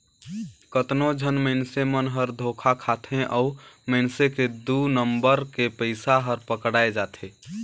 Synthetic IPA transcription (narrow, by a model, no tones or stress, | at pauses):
kət̪nod͡ʒʱənməɪnsemənɦəɾd̪ʱokʰakʰat̪ʰẽʔɔʊməɪnseked̪unəmbəɾkepəɪsaɦəɾpəkɽaːed͡ʒat̪ʰẽ